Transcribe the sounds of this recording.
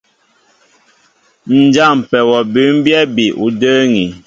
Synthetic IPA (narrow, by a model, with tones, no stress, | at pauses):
n̩˨d͡ʒa˦˨m˨pɛ˨wɔ˨bʉ˨˦m˦bjɛ˦bi˨ʔu˨dəː˦ŋi˨